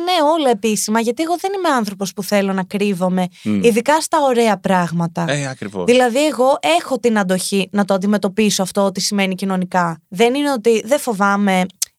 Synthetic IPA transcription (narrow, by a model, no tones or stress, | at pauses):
neo̞lɐe̞pisimɐʝɐt̪ieɣoðe̞nime̞ɐnθɾo̞po̞spuθe̞lo̞nɐkɾivo̞me̞iðikɐst̪ɐo̞ɾe̞ɐpɾɐɣmɐt̪ɐeɐkɾivo̰ðilɐðie̞ɣo̞ʔe̞xo̞t̪inɐnd̪o̞çinɐt̪oɐnd̪ime̞t̪o̞piso̞ɐft̪o̞ot̪isime̞nicino̞nikɐðe̞nineot̪iðefo̞vɐme̞